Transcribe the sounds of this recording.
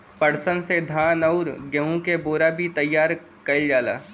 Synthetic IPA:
pɐɽsənsed̪ʱãːnɐʊɾɡəɦũkeboːɾabʱit̪ɐjːaːɾ | kɐld͡ʒaːla̰ː

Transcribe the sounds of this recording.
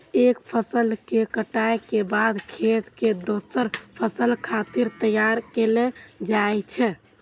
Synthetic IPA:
ekpʰəsəlkekəʈajkebad̪kʰet̪ked̪osəɾpʰəsəlkʰat̪iɾt̪əjaɾkeled͡ʒajt͡ʃʰɛ

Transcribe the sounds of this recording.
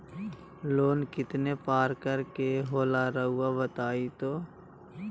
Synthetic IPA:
loːnkɪt̪nepaːɾkəɾkeɦoːlaɾɐɦʊabət̪aːit̪oː

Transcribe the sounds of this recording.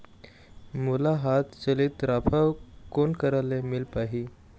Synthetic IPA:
mulaɦat̪t͡səlit̪ɾapʰawkonkəɾalemilpaɦi

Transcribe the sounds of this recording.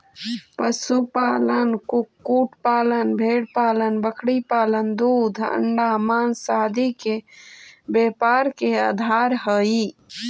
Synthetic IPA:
pəsupalənkukːuʈʰpalənbʱeɽpalənbəkʰɽipalənd̪ud̪ʱə̰ɳɖamansad̪ʱike | bepaɾkeaːd̪ʱaɾɦəi

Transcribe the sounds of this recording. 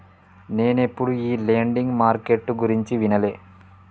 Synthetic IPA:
ne̞ːnepːuɽuiːleːɳɖiŋɡmaːɾkeʈːɡuɾiɲt͡ʃiʋinɐle̞ː

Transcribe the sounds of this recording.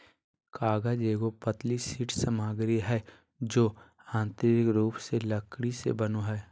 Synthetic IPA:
kaːɡad͡ʒeːɡopət̪lisiʈʰsəmaːɡɾiɦɛː | d͡ʒoː | ãːnt̪ɾɪkɾuːpseləkɽisḛbənoɦɛː

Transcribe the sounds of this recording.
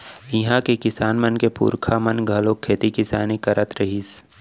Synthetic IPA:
ɪɦãkekɪsaːnmənkepṵːɾkʰamənɡʱɐloːkʰːeːt̪ikɪsaːnikɐɾət̪ɾɐɦiːs

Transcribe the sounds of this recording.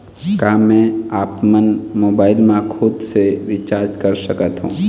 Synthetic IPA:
kaːmɛ̃aːpmənmoːbaːɪlmãkʰʊd̪seʋɪt͡ʃaːɾd͡ʒkəɾsəkət̪ɦṵ̃ː

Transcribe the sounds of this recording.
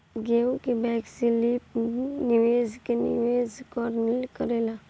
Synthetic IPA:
ɡeũkebɛksilipnɪʋeːzkenɪ̰ʋezkɔɾnilkəɾela

